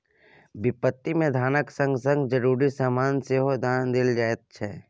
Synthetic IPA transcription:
bɪpət̪ːimẽd̪ʱaːnəksə̃ŋɡsə̃ŋɡd͡ʒəɾuːɾisaːmaːnseːɦod̪ʱaːnd̪ɪld͡ʒaːet̪̚t͡ʃʰɛː

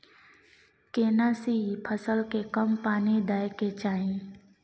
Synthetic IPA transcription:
keːnaːsipʰəsəlkekəmpaːned̪aːjket͡ʃaːẽː

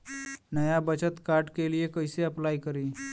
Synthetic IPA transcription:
nəjabət͡ɕət̪kaɾʈkelijekəjseəplajkəɾiː

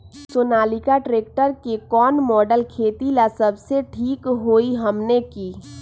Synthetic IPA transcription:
soːnaːlikaʈɾeːk̚ʈəɾkekɔːnmɔːɖəlkʰeːt̪ilasəbseʈʰiːkɦoːiɦəmnekiː

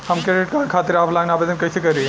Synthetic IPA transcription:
hɐmkɾeɖɪʈ̚kaːɽkʰat̪iɾaːpʰlaɡnaːbed̪ənkɐjsekɐɾi

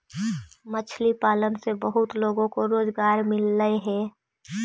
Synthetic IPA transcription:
mət͡ʃʰlipaːlənsebəɦʊt̪loːɡõkoɾoːzɡaːɾmɪlːəeɦɛː

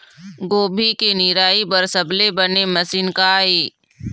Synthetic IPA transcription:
ɡoːbʱikenɪɾaːibɐɾsɐblebɐnemɐsiːnkaeː

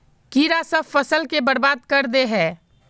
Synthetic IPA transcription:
kiːɾasəbfɐsəlkebɐɾbaːd̪̚kɐɾd̪eɦɛ̃ː

